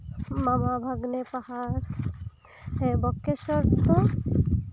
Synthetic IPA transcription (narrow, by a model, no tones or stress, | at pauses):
mamabʱaɡnepahaɾ | ɦebɔkːesɔɾt̪o